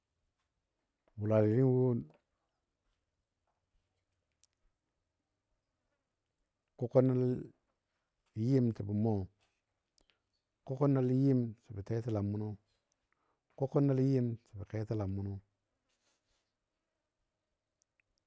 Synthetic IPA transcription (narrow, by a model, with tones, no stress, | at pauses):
wu˨la˨li˨ɾi˦n˦wo˦ | ko˦ko˦nːa˦l | ji˦mti˨bi˨mo˦˨ | ko˦ko˦nːa˦lji˦msi˨bi˨te˦ti˦la˨mːu˦no˦ | ko˦ko˦nːa˦lji˦msi̥˨bi˨ke˦ti˦la˨mːu˦no˦